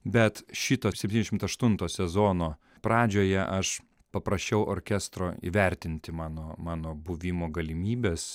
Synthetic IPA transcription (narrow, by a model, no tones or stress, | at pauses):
bʲɛt̪ʃʲɪt̪oːsʲɛp̚ʲt̪ʲinʲɛʃʲmt̪ɐʃt̪ʊnt̪oːsʲɛzoːnoː | pɾɑːd͡ʒʲoːjɛʔɐʃ | pɐpɾɐʃʲt͡ʃʲɛʊʔo̰ːɾʲkʲɛst̪ɾoːḭːʋʲɛɾʲt̪ʲɪnʲt̪ʲɪmɑːnoːmɑːnoːbʊʋʲɪmoːɡɐlʲɪmʲiːbʲeːs